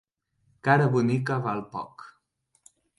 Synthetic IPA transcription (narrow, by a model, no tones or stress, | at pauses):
kaɾaβunikaβalˠpɔ̰k